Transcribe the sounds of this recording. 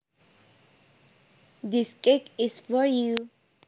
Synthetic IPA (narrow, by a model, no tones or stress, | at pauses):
diskekisfɔɹju